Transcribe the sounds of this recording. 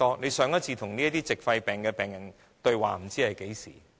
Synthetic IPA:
ɔː˥ne˨˧jsœː˨˥ŋɐ˥t̚t͡sʰiː˧t̪ʰʊ˨˩ŋniː˥ɐ˥t̪iː˥t͡sɪ˨k̚fɐ˧jpɛː˨˩ŋkɛː˧pɛː˨ŋjɐ˨˩ŋ | t̪ɵ˧ɥwa̰ː˨m̩˨˩t͡siː˥hɐ˨jke˨˥jsḭː˨˩

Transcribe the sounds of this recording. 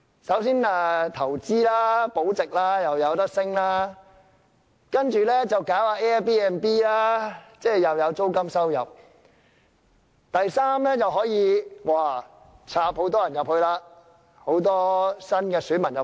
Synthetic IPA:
sɐ˨˥wsiː˥naː˧t̪ʰɐ˨˩wt͡siː˥laː˥po˨˥wt͡sɪ˨k̚laː˥jɐ˨wjɐ˨˧wt̪ɐ˥k̚sɪ˥ŋlaː˥ | kɐ˥nt͡ʃyː˨˩lɛː˥t͡sɐ˨wkaː˨˥waː˧ʔɛː˥ɛ˥piː˥ɛː˨npiː˥laː˥t͡sɛː˥˩jɐ˨wjɐ˨˧wt͡so˥wkɐ˥msɐ˥wjɐ˨p̚ | t̪ɐ˨jsaː˥mlɛː˥jɐ˨wɦɔː˨˥jiː˨˧waː˨˩ | t͡sʰaː˨˧p̚ho˨˥wt̪ɔː˥jɐ˨˩njɐ˨p̚hɵ˧ɥlaː˧ | ho˨˥wt̪̬ɔː˥sɐ˥nkɛː˧syː˨˥nmɐ˨˩njɐ˨˩

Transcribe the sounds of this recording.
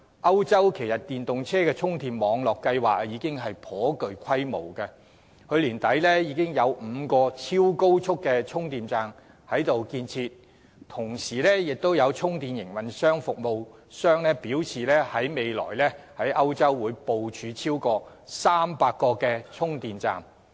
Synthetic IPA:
ʔɐ˥wt͡sɐ˥wkʰe˨˩jɐ˨t̚t̪iː˨˩nt̪ʊ˨ŋt͡sʰɛː˥kɛː˧t͡sʰʊ˥ŋt̪ʰiː˨mmɔː˨˧ŋlɔː˨kːɐ˧jwaː˨k̚jiː˨˧kɪ˥ŋɦɐ˨jpʰɔː˨˥kɵ˨˧ɥkʷʰwɐ˥jmo̰˨˩wkɐ˧ | kʰɵ˨˧ɥliː˨˩nt̪ɐ˨˥jlɛ˥jiː˨˧kɪ˥ŋjɐ˨˧wm̩˨˧kɔː˧t͡sʰiː˥wko˥wt͡sʰʊ˥kːɛː˧t͡ʃʰʊ˥ŋt̪iː˨mt͡saː˨˧ŋ | hɐ˨˥jt̪o˨wkiː˧nt͡sʰiː˧t̚ | t̪ʰʊ˨˩ŋsiː˨˩lɛː˥jɪ˨k̚t̪o˥wjɐ˨˧wt͡ʃʰʊ˥ŋt̪iː˨njɪ˨˩ŋwɐ˨nsœː˥ŋfʊ˨k̚mo˨wsœː˥ŋlɛː˥piː˨˥wt͡sʰiː˨lɛː˥hɐ˨˥jme˨˧jlɔ̰ː˨˩jlɛː˥hɐ˨˥jʔɐ˥wt͡sɐ˥wːuː˨˧jpo˨wt͡ʃʰyː˨˧t͡sʰiː˥wkɔː˧ | saː˥mpaː˧kːɔː˧kɛː˧t͡sʰʊ˥ŋt̪iː˨nt͡sa̰ː˨m

